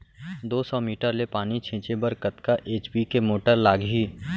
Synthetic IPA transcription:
d̪oːsɔːmiːʈəɾlepaːnit͡ʃʰɪ̃ːt͡ʃebəɾkət̪kaʔeːt͡ʃbikemoːʈəɾlaːɡɦiː

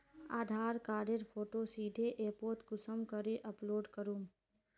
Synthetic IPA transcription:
aːd̪ʱaːɾkaːɾəɾpʰoːʈosiːd̪ʱeʔeːpoːɾʈ̪kʊsəmkəɾeʔɐploːɖkəɾum

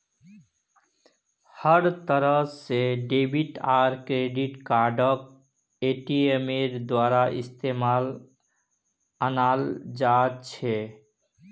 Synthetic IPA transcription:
həɾt̪əɾəseɖebʱiʈaɾkɾeɖiʈkaɾɖək̚ | eʈiemeɾd̪waɾaʔḭst̪emal | ənald͡ʒat̪t͡ʃʰe

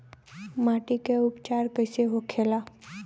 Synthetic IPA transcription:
maːʈikeʊpt͡ʃaːɾkəɪseɦokʰeːla

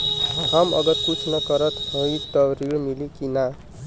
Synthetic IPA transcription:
ɦamʌ̰ɡʌt̪kut͡sʰnʌkʌɾʌt̪ojt̪ʌɾiɭmilikina

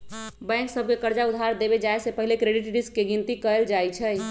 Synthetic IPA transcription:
bɛ̃ŋksəb̚ʱkekəɾd͡ʒaud̪ʱɦaɾd̪ebed͡ʒaesepəɦilekɾeɖiʈɖiskːeɡint̪ikəld͡ʒajt͡ʃʰəj

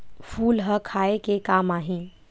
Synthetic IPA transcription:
fʰuːlɦəkʰaːekekaːmaːɦĩ

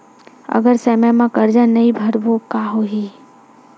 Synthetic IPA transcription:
ɐ̰ɡəɾsemɛmãkəɾd͡ʒanɐĩbʱɐɾbokaːɦoɦi

